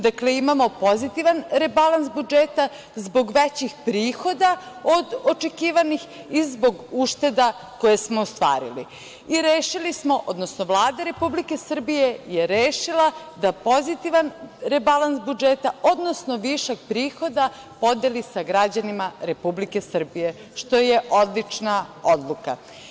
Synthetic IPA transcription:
d̪akleimamo̞po̞zit̪iʋanɾebalansbud͡ʒeːt̪a | zbo̞ɡʋet͡ɕixpɾiːxo̞d̪ao̞d̪o̞t͡ʃe̞kiːʋanix | izbo̞ɡuʃt̪e̞d̪a | ko̞jesmo̞ost̪ʋa̰ːɾḭlḭ | iɾeːʃilismo̞ʔo̞d̪nosnoʋlˠaːd̪aɾe̞publike̞sr̩bije̞jeɾeːʃila | d̪apo̞zit̪iʋanɾebalansbud͡ʒet̪ao̞d̪no̞sno̞ʋiʃaɡ̚pɾiːxo̞d̪a | po̞d̪elisaɡɾad͡ʑanimaɾe̞publike̞sr̩bije̞ | ʃt̪o̞je̞ʔo̞d̪lit͡ʃnaod̪lˠuka̰

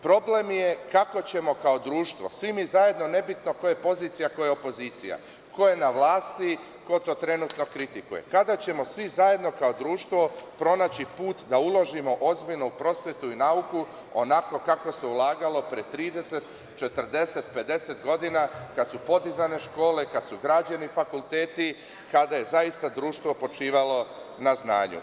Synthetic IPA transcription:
pɾo̞ble̞mje̞kako̞t͡ɕe̞mo̞kao̞d̪ɾuːʃt̪ʋo̞sʋimiezaje̞d̪none̞bit̪no̞ko̞je̞po̞ziːt̪sijako̞jeopo̞ziːt̪sḭja̰ | ko̞je̞naʋlˠaːst̪i | ko̞t̪o̞t̪ɾe̞nuːt̪no̞kɾit̪ikuje̞̰kad̪at͡ɕe̞mo̞sʋizaje̞d̪no̞kaod̪ɾuːʃt̪ʋo̞pɾo̞nat͡ɕipuːt̪d̪aulo̞ʒimo̞ʔo̞zbiʎnoupɾo̞sʋjet̪uinauku | o̞̰nako̞kako̞se̞ulˠaːɡalo̞pɾiet̪ɾiːd̪e̞se̞t̪ | t͡ʃe̞t̪ər̩d̪e̞se̞t̪pe̞d̪e̞set̪ɡo̞d̪inakad̪t̪supo̞d̪izane̞ʃko̞ːle̞kad̪suɡɾaːd͡ʑanifakulˠt̪eːt̪i | kad̪aje̞zaist̪ad̪ɾuːʃt̪ʋo̞po̞t͡ʃiːʋalo̞naznaːɲṵ

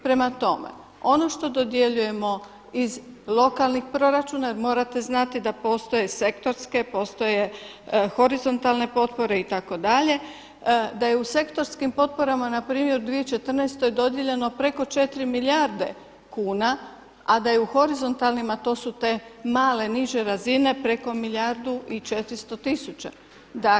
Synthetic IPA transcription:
pɾe̞mat̪o̞mḛ | o̞no̞ʃt̪o̞d̪o̞d̪je̞ʎuje̞mo̞ | izlˠo̞kalnixpɾo̞ɾat͡ʃuːnajeɾmo̞ːɾat̪e̞znat̪id̪apo̞ːst̪o̞je̞se̞kt̪o̞ɾske̞po̞ːst̪o̞je̞xo̞ɾizo̞nt̪alne̞po̞t̪po̞ɾe̞it̪ako̞d̪aʎe̞ | d̪ajeuse̞kt̪o̞ɾskimpo̞t̪̚po̞ɾamanapɾiːmje̞ɾud̪ʋiet͡ʃe̞t̪r̩nest̪o̞jed̪o̞d̪jeʎe̞no̞pɾe̞ko̞t͡ʃe̞t̪ɾimiljaɾd̪e̞̰ | kuːna | ad̪ajeuxo̞ɾizo̞nt̪alˠnimat̪o̞ːsut̪e̞maːle̞niʒe̞ɾazine̞pɾe̞ko̞miʎʲaɾd̪uʔit͡ʃe̞t̪ɾist̪o̞t̪isut͡ʃa | d̪a

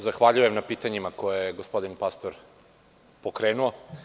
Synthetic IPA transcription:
zaxʋaʎuje̞mnapiːt̪aɲimako̞jejeɡospo̞d̪inpast̪o̞ɾ | po̞kɾeːnuo

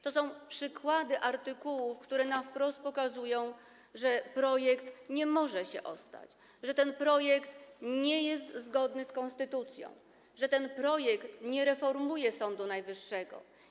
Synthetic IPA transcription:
t̪ɔsɔ̃w̃pʂɘkwad̪ɘʔaɾt̪ɘkuwufkt̪uɾɛnafpɾɔst̪̚pɔkazujɔ̃w̃ | ʐɛpɾɔjɛkt̪ɲɛmɔʐɛɕɛ̰ʔɔst̪a̰t͡ɕ | ʐɛt̪ɛnpɾɔjɛkt̪ɲɛjɛst̪zɡɔd̪nɘskɔ̃nst̪ɘt̪ut̪sʲjɔ̰̃w̃ | ʐɛt̪ɛnpɾɔjɛkt̪ɲɛɾɛfɔɾmujɛsɔnd̪unajvɘʂːɛɡɔ̰

